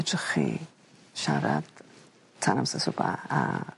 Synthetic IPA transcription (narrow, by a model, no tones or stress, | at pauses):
t͡ʃʼχi | ʃaɾat̪ | t͡sʰaɾamsasupʼaa